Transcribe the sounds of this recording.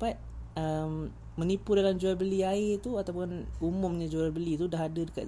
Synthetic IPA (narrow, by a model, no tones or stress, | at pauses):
pat̪̚əm | mə̃nipudalamd͡ʒuabəliaɪʔt̪uat̪awpʊnumʊ̃mɲãd͡ʒuabəlit̪udahɦadadəka̰